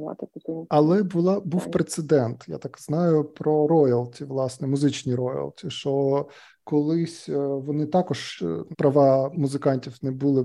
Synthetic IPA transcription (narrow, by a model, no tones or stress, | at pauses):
ɑ̰t̪ɪt̪ɐkʲiɐlˠɛbʊlˠɑbuwpɾet̪sed̪ɛnt̪ja̰t̪ɑkznɑjʊpɾɔɾɔjɐlˠtʲiʋlˠɑsnɛmʊzɪt͡ʃnʲiɾɔjɐ̰lˠtʲiʃt͡ʃɔ | kɔlˠɪsʲʋɔnɪt̪ɑkɔʒpɾɐʋɑmʊzɪkɑnʲtʲiwnɛbulˠɪ